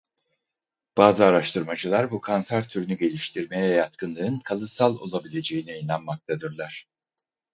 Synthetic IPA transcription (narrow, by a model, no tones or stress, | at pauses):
b̥aːzɯaɾaʃt̪ʰɯɾmad͡ʒɯlˠaɾbukʰansæɾt̪ʰyɾnyɟe̞lʲiʃt̪ʰiɾme̞jɛjat̪kʰɯnˠɯɯnkʰalˠɯsalˠo̞̰lˠabilʲe̞d͡ʒe̞jinɛinanmak̚t̪ʰad̪ɯɾlˠaɾ̥